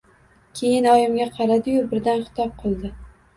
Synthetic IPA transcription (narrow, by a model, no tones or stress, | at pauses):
kʲʰe̞jɪnɒjɪmɡʲaqʰɑɾad̪ɪjʊbɪɾd̪anχɪ̥t̪ʰɒp̚qʰɨlˠd̪ɪ